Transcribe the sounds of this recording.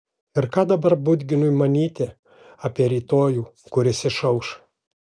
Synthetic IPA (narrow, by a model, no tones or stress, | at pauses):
ɪɾkɑːd̪ɐbɐɾbʊd̪ʲɡʲɪnʊmɐnʲiːt̪ʲɪ | ɑːpʲiɛɾʲiːt̪oːjuːkʊɾʲɪsʲɪʃɐʊʃ